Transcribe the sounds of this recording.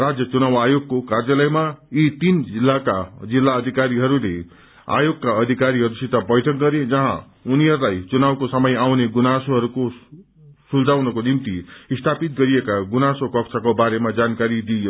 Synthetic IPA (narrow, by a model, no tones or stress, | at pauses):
rad͡zjʌt͡sunawajoɡ̚kokarjalʌjmait̪ind͡zilːakad͡zilːaʌd̪ʱikaɾiɦʌɾulḛ | a̰joɡkaʌd̪ʱikaɾiɦʌɾusit̪abʌjʈʰʌk̚ɡʌɾed͡zʌɦã̰ | uniɦʌɾulajt͡sunawkosʌmʌjawneɡunasoɦʌɾuko | suld͡zawnʌkonimt̪iist̪ʰapit̪ɡʌɾiekaɡunasokʌkt͡sʰʌkobaɾemad͡zankaɾid̪ijo